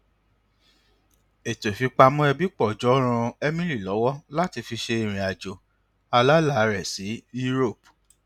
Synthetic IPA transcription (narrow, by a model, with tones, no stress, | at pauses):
e˨to˨fi˧k͡pa˧mɔ̃˦ɛ˧bi˦k͡pɔ˦˨d͡ʒɔ˨˦ɾ̃ã˧ɛ˦mĩ˦ɾi˦˨lɔ˨˦wɔ˦la˦ti˧fi˧ʃe˧i˧ɾ̃ĩ˨a˨d͡ʒo˨ | a˧la˦la˦˨˦ɾɛ˨si˨˦ju˦ɾo˦˨p